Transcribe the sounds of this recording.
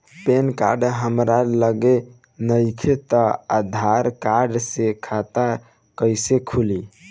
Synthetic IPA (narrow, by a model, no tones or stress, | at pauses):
penkaɾɖɦəmɾaləɡe | nəjkʰet̪əad̪ʱaɾkaɾɖsekʰat̪a | kəjsekʰuli